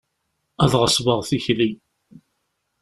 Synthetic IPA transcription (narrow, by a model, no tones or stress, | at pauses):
æðʁəsˤvəʁθiçli